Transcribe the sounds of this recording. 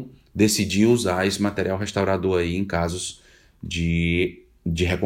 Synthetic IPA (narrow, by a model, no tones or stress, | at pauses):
d̪esid͡ʒiuzaɾesɪmat̪eɾiawɦest̪awɾad̪ʊaiẽj̃kazʊz̥ | d͡ʒɪ | d͡ʒɪɦekõ